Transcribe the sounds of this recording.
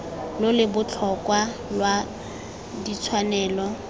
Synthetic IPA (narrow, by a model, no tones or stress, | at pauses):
lʊlɪbʊt͡ɬʰɔkʼwalwa | dit͡sʰwanɛːlɔ